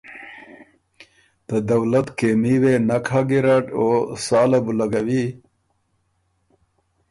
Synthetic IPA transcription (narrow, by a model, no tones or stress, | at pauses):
d̪̥əd̪ɐwlat̪kemiwenakʰaɡiɾaʈosɑːlabulaɡawi